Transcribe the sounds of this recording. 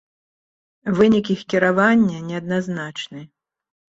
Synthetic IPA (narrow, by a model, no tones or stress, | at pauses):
vɨnʲikixkʲiɾavanʲːɐnʲɛɐd̪naznat͡ʂnɨ